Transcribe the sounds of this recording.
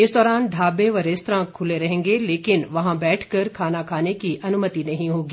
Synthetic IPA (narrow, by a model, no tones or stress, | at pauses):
ɪsd̪ɔːɾaːnɖʱaːbẽʋɐɾest̪ɾãːkʰːʊleɾɐɦẽːŋɡeleːkɪnʋɐɦãbɛːʈʰkɐɾkʰaːnakʰaːnekiʔɐnʊmət̪inɐɦĩɦoːɡiː